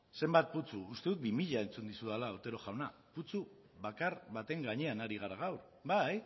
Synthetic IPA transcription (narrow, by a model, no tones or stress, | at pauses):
se̞mbat̪̚put͡suːst̪e̞ðuk̚bimiʎae̞nt͡sund̪isuðalaːɾt̪e̞ɾo̞ʝawna | put͡su | βakaɾβat̪e̞ŋɡaɲe̞anaɾiɣ̞aɾaɣ̞awɾ | baj